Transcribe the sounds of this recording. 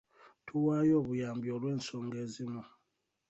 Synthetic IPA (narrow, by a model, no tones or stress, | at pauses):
tʰuwajɔβujambjɔɾwɛn̩sɔŋɡɛzimɔ